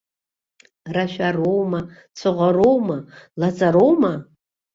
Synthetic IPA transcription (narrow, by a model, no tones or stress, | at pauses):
raʃᶣarowma | t͡sʰɨʁʷarowmalat͡sʼaɾowma